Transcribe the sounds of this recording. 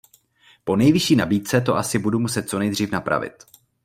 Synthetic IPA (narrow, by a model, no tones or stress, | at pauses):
po̞nɛjvɪʃiːnabiːt̪̚t͡sɛt̪o̞ʔasɪbudumusɛt̪̚t͡so̞nɛjd̪r̝iːfnapɾa̰vɪ̰t̪